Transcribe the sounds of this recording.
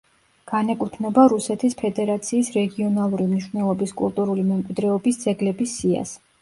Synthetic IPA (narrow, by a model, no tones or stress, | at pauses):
ɡ̥anɛkʼut̪ʰnɛbaɾusɛt̪ʰispʰɛd̪ɛɾat̪sʰiːsɾɛɡiɔnalˠuɾimniʃvnɛlˠɔbiskʼṵlˠt̪ʼuɾulimɛmkʼwid̪ɾɛɔbisd̪z̥ɛɡlɛbisːia̰s